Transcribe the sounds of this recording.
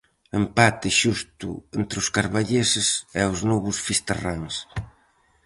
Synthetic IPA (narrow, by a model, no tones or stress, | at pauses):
empat̪ɪʃust̪ʊ̰ent̪ɾɪʊskaɾβaʎesɪsɛʊznɔβʊsfist̪araŋs